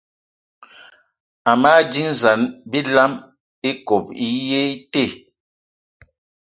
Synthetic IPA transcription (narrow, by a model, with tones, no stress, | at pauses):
a˨ma˦d͡ʒi˦n˦˨za˨nbi˦la˦m | i˦ko˨pi˦je˦te˦˨